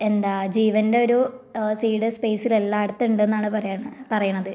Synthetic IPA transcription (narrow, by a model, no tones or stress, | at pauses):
e̞nd̪aːd͡ʑiːʋɐnde̞o̞ɾusiːɽɨspe̞ːsilelːaːɽut̪ːɐuɳɖɨenːaːɳɨpɐrɐjaːɳɨpɐrɐjuɳɐðɨ